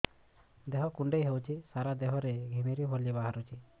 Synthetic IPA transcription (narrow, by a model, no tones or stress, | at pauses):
d̪eɦɔkuɳɖejɦewt͡ʃʰisaɾad̪eɦɔɾeɡʱimiɾibʱɔɾlibaɦaɾut͡ʃʰi